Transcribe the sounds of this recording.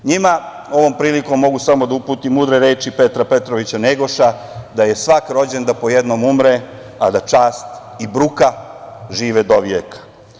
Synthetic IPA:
ɲima | o̞ʋo̞ːmpɾiːliko̞mːo̞ɡusamo̞d̪aupuːt̪imuːd̪ɾeɾeːt͡ʃipe̞t̪ɾape̞t̪ɾoʋit͡ɕaneɡo̞ʃa | d̪aje̞sʋakɾo̞d͡ʑe̞nd̪apo̞jed̪no̞mumɾe | ad̪at͡ʃaːst̪ | ibɾukaʒiːʋed̪oʋjekḁ

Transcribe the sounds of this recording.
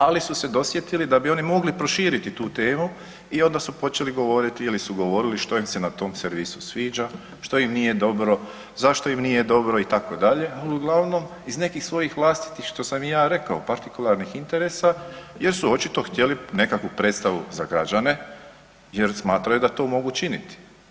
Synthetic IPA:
alisuse̞d̪o̞sje̞t̪ilid̪abio̞nimo̞ɡlipɾo̞ʃiːɾit̪it̪uːt̪e̞ːmu | io̞nd̪asupo̞t͡ʃe̞liɡo̞ʋo̞ɾit̪iilisuɡo̞ʋo̞ɾiliʃt̪o̞imse̞nat̪o̞ːmseɾʋisu̥sʋiːd͡ʒa | ʃt̪o̞imnije̞d̪o̞bɾo̞ | zaʃt̪o̞imnije̞d̪o̞bɾo̞it̪ako̞d̪aʎe̞aliuɡlˠaʋno̞m | izne̞kixsʋo̞jixʋlˠaːst̪i̥t̪ixʃt̪o̞samjaːɾe̞kaopaɾt̪ikulˠaɾnixint̪e̞ɾe̞ːsa | je̞ɾsuo̞t͡ʃit̪o̞xt̪je̞line̞kakʋupɾet̪st̪aʋuzaɡɾad͡ʒane̞ | je̞ɾsmaːt̪ɾajud̪at̪o̞ːmo̞ɡut͡ʃinit̪i̥

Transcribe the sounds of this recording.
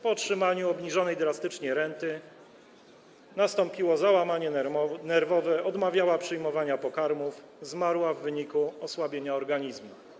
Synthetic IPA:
pɔtʂɘmaɲuɔbɲiʐɔnɛjd̪ɾast̪ɘt͡ʂɲeɾɛnt̪ɘ | nast̪ɔmpʲiwɔzawamaɲɛnɛɾvɔvɛɔd̪mavʲjawapʂɘjmɔvaɲapɔkaɾmuf | zmaɾwavːɘɲikuɔswabʲjeɲaɔɾɡaɲizmu

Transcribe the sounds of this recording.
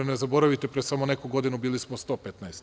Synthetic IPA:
nezabo̞ɾaʋit̪epɾesamone̞kuɡo̞d̪inubiːlismost̪o̞pet̪naest̪

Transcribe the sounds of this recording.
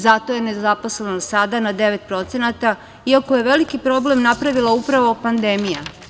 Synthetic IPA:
zat̪o̞je̞nezapo̞slenosad̪anad̪e̞ʋe̞t̪̚pɾo̞t̪se̞nat̪a | iakoje̞ʋe̞likipɾo̞ble̞mnapɾaʋilˠaupɾaʋo̞pand̪emija

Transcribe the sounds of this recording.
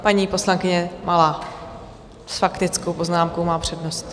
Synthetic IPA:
paɲiːpo̞slaŋkɪɲɛmʔalaː | sfakt̪ɪt͡skowpo̞znaːmkowmaːpr̝̥ɛdnost̪

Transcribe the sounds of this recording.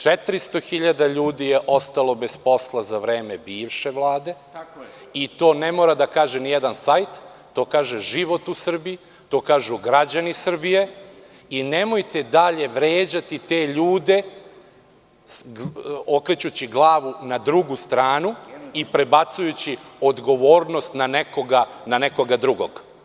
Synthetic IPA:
t͡ʂet̪ɾist̪o̞xiʎad̪aʎuːd̪ijeʔo̞st̪alˠo̞be̞spo̞slˠazaʋɾe̞ːmebiːʋʃe̞ʋlˠaːd̪e̞ | it̪o̞ːne̞moːɾad̪akaːʒenijed̪ansajt̪ː | o̞ːkaːʒeʒiʋo̞t̪usr̩biji | t̪o̞ːkaːʒuɡɾad͡ʑanisr̩bije̞ | ine̞mo̞jt̪ed̪aʎe̞ʋɾeːd͡ʑat̪it̪e̞ːʎuːd̪e̞ | okɾet͡ɕut͡ɕiɡlˠaːʋunad̪ɾuɡust̪ɾaːnuipɾe̞bat̪sujut͡ɕiod̪ɡo̞ʋo̞ːɾno̞st̪naneko̞ɡanane̞ko̞ɡad̪ɾuɡo̞̰ɡ̥

